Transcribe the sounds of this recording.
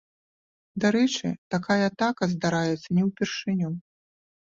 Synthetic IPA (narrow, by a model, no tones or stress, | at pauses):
d̪aɾɛt͡ʂɨ̰t̪akajɐːt̪akɐzd̪aɾajɛt̪sːɐnʲɛwpʲɛrʂɨnʲɔ